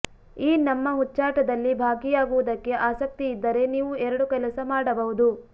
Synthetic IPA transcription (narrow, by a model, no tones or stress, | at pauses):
iːnɐmːɐɦut͡ʃːaːʈɐd̪ɐlːibʱaːɡijaːɡuʋud̪ɐkːe̞ʔaːsɐk̚t̪iːd̪ːɐɾe̞niːʋuɛɾɐɽukɛlɐsɐmaːɽɐbɐɦud̪u